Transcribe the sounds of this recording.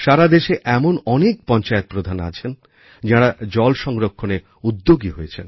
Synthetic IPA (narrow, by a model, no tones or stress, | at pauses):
ʃaɾad̪eʃeʔɛmonɔnek̚pɔnt͡ɕaet̪̚pɾod̪ʱana̰t͡ɕʰen | d͡ʑaɽad͡ʑɔlʃɔŋɾokʰːone | ud̪ːoɡiɦojet͡ɕʰen